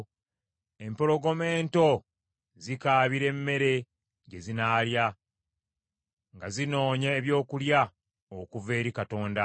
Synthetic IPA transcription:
e̞mpoɾo̞ɡo̞me̞ːnto̞ | zikaːβiɾe̞mːe̞ɾe̞ | ɟe̞zinaːlja | ŋɡazino̞ːɲeːβjo̞ːkulja | okuve̞ːɾikato̞ːnda

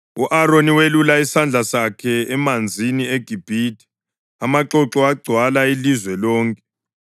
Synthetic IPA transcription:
uʔaroniwelulaisand͡ɮʱasakʰɛɛmand͡zʱinieɡ̥ʱib̥ʱiti̥ | amaǁɔǁɔaɡ͡ǀʱwalailizwɛlɔːŋkʼɛ

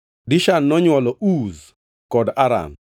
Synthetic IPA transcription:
dɪʃanːɔɲwɔlɔʔuz | kɔdaɾa̰m

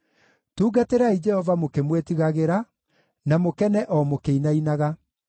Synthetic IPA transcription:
tuːɡateɾaid͡ʒɛhɔvamokemwetiɣaɣeɾa | namokɛnɛʔɔmokeinainaɣa

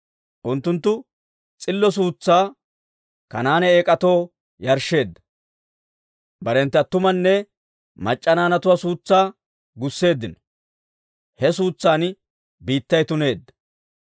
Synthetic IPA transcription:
ʔʊnt̪ːʊnt̪ːʊ | t͡sʼɪlːɔs̬uːt͡sːaː | kɐnaːnɛeːkʼɐt̪o̞ː | jɐɾʃe̞ːd̪ːɐ̥ | bɐɾɛnt̪ːɐt̪ːʊmɐnːɛ | mɐt͡ʃʼːɐnaːnɐt̪ʊwasuːt͡sːaː | ɡʊsːe̞ːd̪ːɪnɔ̥ | hɛsuːt͡sːaːn | biːt̪ːɐjt̪ʊne̞ːd̪ːɐ̥

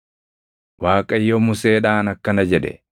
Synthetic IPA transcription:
waːkʼɐjːɔmʊseːᶑaːnɐkːɐnɐd͡ʒɛᶑɛ̰

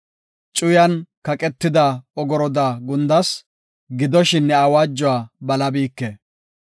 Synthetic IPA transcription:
t͡ʃʼʊjɐnkɐkʼɛt̪ːɪd̪ɐɔɡɔɾɔd̪aɡʊnd̪ɐs | ɡɪd̪ɔʃɪnːɛɐwaːd͡ʒːʊwaːbɐlɐbiːkːe

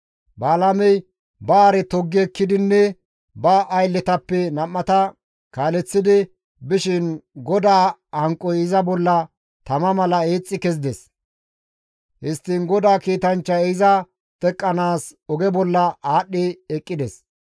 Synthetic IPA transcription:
baːlamɛj | baːɾɛt̪ɔɡːɪɛkːɪd̪ɪnːɛ | bɐʔɐjlːɛt̪ɐpːɛnɐmːɐt̪ɐ | kaːlɛt͡sːɪd̪ɪ | bɪʃɪnɡɔd̪aːhɐŋkʼːɔjɪzɐbɔlːɐ | t̪ɐmɐmɐlɐeːt͡sʼːɪkɛzɪd̪ɛs | hɪst̪ːɪnɡɔd̪aːkiːt̪ɐnt͡ʃːɐɛɪzɐ | t̪ɛkʼːɐnaːsɔɡɛbɔlːɐaːɗːɪɛkʼːɪd̪ɛs

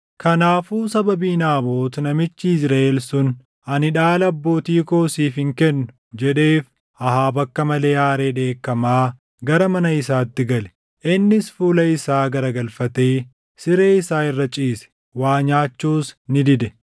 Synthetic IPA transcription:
kʰɐnaːfuːsɐbɐbiːnaːbo̞ːt̪nɐmɪt͡ʃːɪɪsɾaːʔelsʊn | ɐnɪᶑaːlɐɐbːo̞ːt̪iːko̞ːsiːfɪŋkɛnːʊ | d͡ʒɛᶑe̞ːf | ɐhaːbɐkːɐmɐle̞ːjaːɾe̞ːᶑ̪e̞ːkːɐmaː | ɡɐɾɐmɐnɐɪsaːt̪ːɪɡɐlɛ̥ | ʔɪnːɪsfuːlɐɪsaːɡɐɾɐɡɐlfɐt̪eː | sɪɾe̞ːɪsaːɪrːɐt͡ʃʼiːsɛ̥ | waːɲaːt͡ʃːuːsnɪd̪ɪd̪ɛ

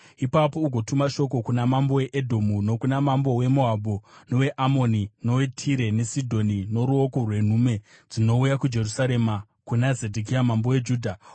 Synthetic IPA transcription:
ipapo̞uɡʱo̞tumaʃo̞ko̞kunamambo̞we̞ʔedʱo̞muno̞kunamambo̞we̞mo̞abʱono̞we̞ʔamo̞nino̞we̞tʰiɾe̞ne̞sidʱo̞nino̞ɾuo̞korwe̞n̤ume̞d͡zino̞ujakud͡ʒe̞rusaɾe̞ma | kunazedʱik̬ijamambo̞we̞d͡ʒuːdʱa

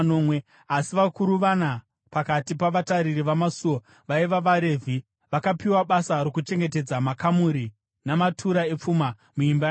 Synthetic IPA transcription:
noːmwe | asiʋakuɾuʋana | pakatipaʋataɾiriʋamasuo | ʋaiʋaʋaɾe̞ːvʱi | ʋakapiwaɓasaɾo̞kut͡ʃe̞ŋɡe̞te̞d͡zamakamuɾi | namatʰuɾae̞p͡fuma | muimba

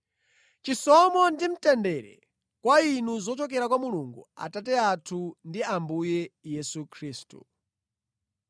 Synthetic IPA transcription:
t͡ʃisɔmɔndim̩tɛndɛɾɛ̰ | kwainuzɔt͡ʃɔk̬ɛɾakwamuluŋɡua̰tatɛatʰundiambujɛjɛsukʰɾiːstṵ

